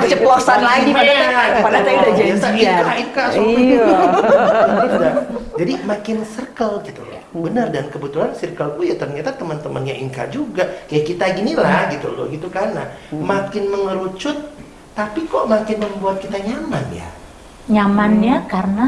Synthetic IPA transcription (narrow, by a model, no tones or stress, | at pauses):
t͡ʃəplosanlaipaaapaaadajasaiaaiŋkasou | dad͡ʒadimakɪnsərkəlɡit̪ṵlo̰bənərdankəbət̪ulansirkəlkujat̪ərɲat̪at̪əmənt̪əmənɲaʔḭŋka̰d͡ʒuɡakajaʔkit̪aɡinilahɡit̪ṵlɔ̰ɡit̪ukarənamakɪnməŋəɾut͡ʃʊt̪ː | apikɔʔmakɪnməmbuat̪̚kit̪aɲamanja̰ | ɲamanɲakarəna